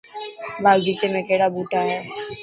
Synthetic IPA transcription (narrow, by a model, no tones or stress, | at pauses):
baːɡbiːt͡ʃemẽkeːɽabuːʈaɦɛː